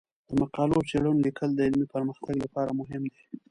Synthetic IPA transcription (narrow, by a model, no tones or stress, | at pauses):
d̪̥əmaqɑlot͡seɽunlikʰəld̪əɪlmipəɾməxt̪aɡlapɑɾamʊɦɪmd̪e